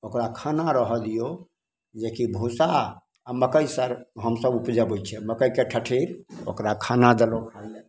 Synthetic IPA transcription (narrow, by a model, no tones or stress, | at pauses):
okɾakʰanaɾəɦəlijo | d͡ʒekibʱusa | aməkəjsəɾɦəmsəbupd͡ʒəbojt͡ʃʰɛməkəjkeʈʰəʈʰiɾo̰kɾakʰanad̪elokʰa